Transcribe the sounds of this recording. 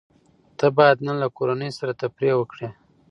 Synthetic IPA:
t̪abɑjad̪nalakoɾanəjsaɾat̪apɾewəkɽe

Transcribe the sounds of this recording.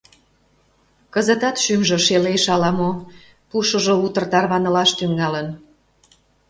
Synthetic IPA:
kəzə̆t̪ɑt̪ʃymʒŏʃeleʃɑlɑmo | puʃə̆ʒout̪ərt̪ɑrβɑnə̆lɑʃt̪yŋɑlən

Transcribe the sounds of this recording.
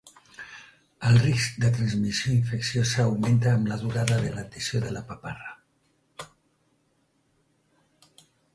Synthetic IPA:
əlˠrisk̚d̪ət̪ɾənzmisjoiɱfəksiosəːwmẽnt̪aːmlaðuɾaðəðəlat̪əsjoðəlapapara

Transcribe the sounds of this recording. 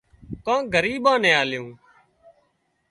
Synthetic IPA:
kãːɡəɾiːɓãːnẽːaːlɪjõː

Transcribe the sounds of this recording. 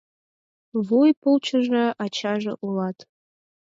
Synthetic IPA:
vujpʰɨlt͡ʃʷʰaʒʷaʔat͡ʃʰaʒʷa̰ʔulatʰʼ

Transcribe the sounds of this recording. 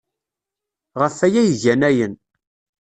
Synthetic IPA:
ʁəfæjæjəʝænæjən

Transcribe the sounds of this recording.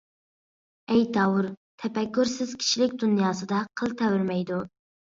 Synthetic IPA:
ɛjd̪ɑwuɾt̪ʰɛpɛkʲːyɾsɪz̥kʲʰi̥ʃilɪkʲd̪unjɑːsɨd̪ɑqʰəlˠt̪ʰɛwyɾmɛjd̪u

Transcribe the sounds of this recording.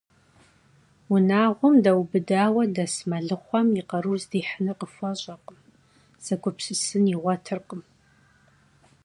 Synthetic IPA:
wʊnaːʁʷʊmdɐwbɨdaːwɐdɐsmɐɮɨχʷɔmiqɐɾuːzdiːħənɐqəfʷɔɕʼɐqəm | z̥ɐkʷʰʼʊpsɨsɨniʁʷɔtʰɨrqəm

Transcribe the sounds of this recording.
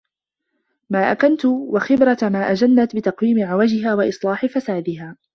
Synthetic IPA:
maːʔakant̪ʊwaxɪbɾamaːʔad͡ʒanːat̪bɪt̪ɑqwiːmɪʕawad͡ʒɪɦaːwaʔɨsˤlɑːħɪfasaːd̪ɪɦaː

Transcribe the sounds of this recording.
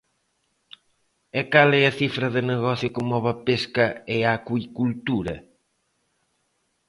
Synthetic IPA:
ekalɛɐθifɾɐðɪneɣɔθjʊkɪmɔβɐpeskɐɪakwikult̪uɾɐ̰

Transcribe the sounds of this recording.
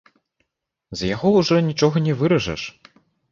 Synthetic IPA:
zjaɣɔwʐɔnʲit͡ʂɔɣɐnʲɛvɨɾɐʐɛ̰ʂ

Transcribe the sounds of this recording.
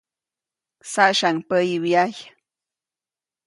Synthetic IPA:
saʃaŋpəjiwjaj

